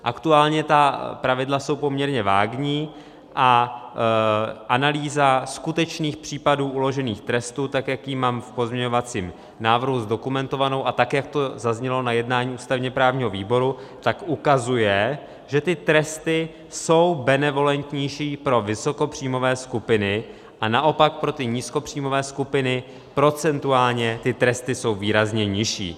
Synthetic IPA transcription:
ʔakt̪uaːlɲɛt̪apɾavɪdlaso̞wpo̞mɲɛɾɲɛva̰ːɡɲiː | ʔa | ʔanaliːzaskut̪ɛt͡ʃniːxpr̝̥iːpaduːʔulo̞ʒɛniːxt̪ɾɛst̪uːt̪akjakjiːmaːmfpo̞zmɲɛɲo̞vat͡siːm | naːvr̩ɦuzdo̞kumɛnt̪o̞vano̞wʔat̪akjak̚t̪o̞zazɲɛlo̞najɛdnaːɲiːʔuːst̪avɲɛpɾaːvɲiːɦo̞viːbo̞ɾut̪akʔukazujɛ | ʒ̥ɛt̪ɪt̪ɾɛst̪ɪ | so̞wbɛnɛvo̞lɛnt̪ɲɛjʃiːpɾo̞vɪso̞ko̞pr̝̥iːmo̞vɛːskupɪnɪ | ʔanaʔo̞pak̚pɾo̞t̪ɪɲiːsko̞pr̝̥iːmo̞vɛːskupɪnɪ | pɾo̞t͡sɛnt̪uaːlɲɛt̪ɪt̪ɾɛst̪ɪso̞wviːɾazɲɛɲɪʃḭː

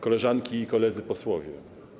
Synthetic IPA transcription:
kɔlɛʐaŋkʲiːkɔlɛd̪zɘpɔswɔvʲjɛ

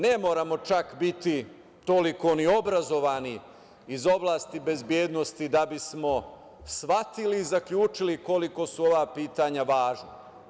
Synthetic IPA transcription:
ne̞mo̞ːɾamo̞t͡ʃakbit̪i | t̪o̞liko̞niobɾazo̞ʋani | izo̞blˠaːst̪ibe̞zbje̞ːd̪no̞st̪id̪abismo̞ | sʋat̪iliːzakʎuːt͡ʃiliko̞liko̞suo̞ʋaːpiːt̪aɲaʋaːʒna

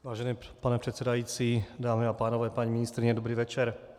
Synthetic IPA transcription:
ʋaːʒɛniːpanɛpr̥ɛt̪sɛd̪ajiːt͡sid̪aːmiapaːnɔʋɛːpaɲiminist̪ɾiɲɛd̪obɾiːʋɛt͡ʃɛɾ

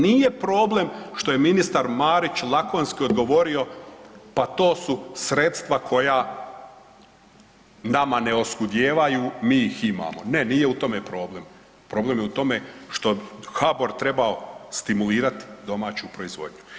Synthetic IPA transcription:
niːje̞pɾo̞ːble̞mʃt̪o̞je̞minist̪aɾmaːɾit͡ɕlˠakonskio̞d̪ɡo̞ʋo̞ɾio̞pat̪o̞ːsusɾe̞t̪st̪ʋakʰo̞ja | namane̞o̞skud̪jeːʋajumiːixima̰ːmo̞̰ne̞niːjeut̪o̞me̞pɾo̞ːble̞m | pɾo̞ːble̞mjeut̪o̞me̞ʃt̪o̞xabo̞ɾt̪ɾe̞bao̞st̪imuliːɾat̪i̥d̪o̞maːt͡ɕupɾo̞izʋo̞̰d̪ɲu

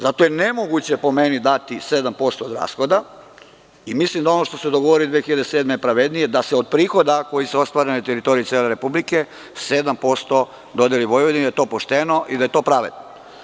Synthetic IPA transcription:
zat̪ojene̞moɡut͡ɕe̞po̞me̞nid̪at̪ise̞d̪ampo̞st̪oːd̪ɾa̰ːsxo̞d̪a | imislimd̪ao̞noʃt̪o̞sed̪oɡoʋoɾid̪ʋeexiʎad̪eseːd̪mepɾaʋed̪nijed̪aseod̪̚pɾiːxo̞d̪ako̞jiseo̞st̪ʋaːɾenet̪eɾit̪o̞ɾit̪jeleɾe̞publike̞ | se̞d̪ampo̞st̪o̞ | d̪o̞d̪eliʋo̞jʋod̪iid̪aet̪o̞ːpoʃt̪eno̞ʔid̪aje̞t̪o̞ːpɾaʋḛd̪no

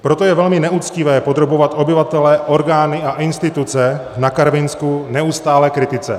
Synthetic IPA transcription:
pɾo̞t̪o̞jɛvɛlmɪnɛʔut͡scɪvɛːpo̞d̪ɾobo̞vat̪ʔo̞bɪvat̪ɛlɛʔo̞ɾɡaːnɪaʔɪnst̪ɪt̪ut͡sɛnakaɾvɪnskunɛust̪aːlɛːkɾɪt̪ɪt͡sɛ̰

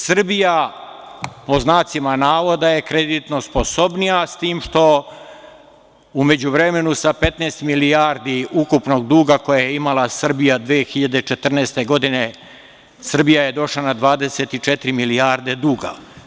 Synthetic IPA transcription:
sr̩bija | po̞znaːt̪simanaːʋo̞d̪aje̞kɾed̪it̪no̞spo̞so̞bnijast̪iːmʃt̪o̞ | ume̞d͡ʑuʋɾe̞me̞nusape̞t̪nest̪milijaɾd̪iukupno̞ɡd̪uːɡako̞jajeimalˠasr̩bijad̪ʋeːxiʎad̪e̞t͡ʃet̪r̩neːst̪e̞ɡo̞d̪ine̞ | sr̩bijaje̞d̪o̞ʃlanad̪ʋaːd̪e̞se̞t̪it͡ʃet̪ɾimilijaɾd̪e̞d̪uːɡa̰

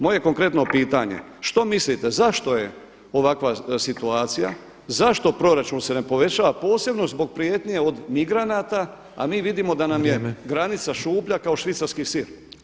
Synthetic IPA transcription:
mo̞je̞ko̞ŋkɾe̞t̪no̞piːt̪aɲḛ | ʃt̪o̞mislit̪e̞zaʃt̪o̞je̞ | o̞ʋakʋasit̪uaːt̪sija̰ | zaʃt̪o̞pɾo̞ɾat͡ʃuːnse̞nepo̞ʋe̞t͡ɕaːʋapo̞ːse̞bno̞zbo̞ɡ̚pɾijet̪ɲije̞o̞d̪miɡɾanaːt̪a | a̰miːʋid̪imo̞d̪anamje̞ɡɾanit̪saʃuːpʎakao̞ʃʋit̪saɾskisiɾ

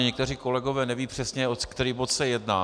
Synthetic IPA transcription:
ɲɛk̚t̪ɛr̝iːko̞lɛɡovɛːnɛviːpr̝̥ɛsɲɛokt̪ɛɾiːbot̪sɛjɛdna̰ː

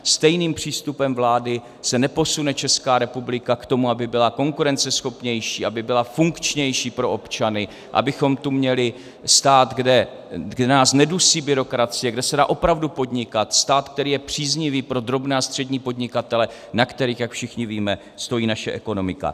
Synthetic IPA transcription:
st̪ɛjniːmpr̝̥iːst̪upɛmvlaːdɪ | sɛnɛpo̞sunɛt͡ʃɛskaːɾɛpublɪkakt̪o̞muabɪbɪlako̞ŋkuɾɛnt͡sɛsxo̞pɲɛjʃiːʔabɪbɪlafuŋkt͡ʃɲɛjʃiːpɾo̞ʔo̞pt͡ʃanɪ | ʔa̰bɪxo̞mt̪umɲɛlɪ | st̪aːt̪ɡdɛ | ɡdɛnaːsnɛdusiːbɪɾo̞kɾat͡sɪjɛɡdɛsɛda̰ːʔo̞pɾavdupo̞dɲɪkat̪st̪aːt̪k̚t̪ɛɾiːjɛpr̝̥iːzɲɪviːpɾo̞d̪ɾo̞bnɛːast̪r̥ɛdɲiːpo̞dɲɪkat̪ɛlɛ | nakt̪ɛɾiːxjakfʃɪxɲɪviːmɛ | st̪o̞jiːnaʃɛʔɛko̞no̞mɪka̰

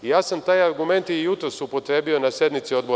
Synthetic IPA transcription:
jaːsamt̪ajaɾɡume̞nt̪ijut̪ɾosupo̞t̪ɾe̞ːbio̞nasje̞d̪nmit̪sio̞d̪bo

